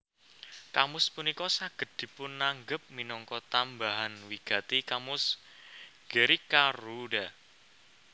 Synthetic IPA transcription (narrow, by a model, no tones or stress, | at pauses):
kamʊspunikɔsaɡ̥ə̤t̪̚d̪̥i̤pʊnːaŋɡəp̚minɔŋkɔt̪ambaɦanwiɡ̥a̤t̪ikamʊs | ɡ̥əɾikaruɖa